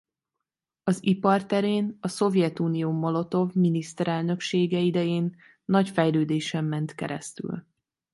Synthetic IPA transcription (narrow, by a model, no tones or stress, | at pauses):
ɒzipɒrt̪ɛɾeːnɒso̞vjɛt̪uːnijoːmolo̞t̪o̞vminist̪ɛɾɛlnø̞kʃeːɡɛid̪ɛjeːnː | ɒcfɛjløːd̪eːʃɛmːɛnt̪kɛ̰ɾɛ̰st̪y̰l